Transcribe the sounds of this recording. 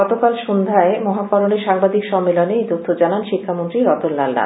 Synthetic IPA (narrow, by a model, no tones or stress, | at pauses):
ɔt̪okalʃund̪ʱaemɔɦakɔɾoneɾʃaŋbad̪ikʃɔmːelonet̪ot̪ʰːod͡ʑananʃikʰːamont̪ɾiɾɔt̪oɾna̰lɖa̰